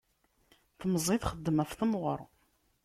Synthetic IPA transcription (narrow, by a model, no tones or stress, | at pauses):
θəməzˤiθχəd̪ːəmæfθəmʁɔɾˤ